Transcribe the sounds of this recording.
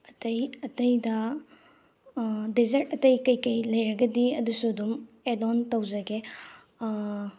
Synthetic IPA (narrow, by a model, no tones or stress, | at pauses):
ɐtɐjɐtɐjdɐ | dizɐɾtɐtɐjkɐjkɐjlɐjɾɐɡɐdiɐdusuɐdum | edɔntɐwzɐɡe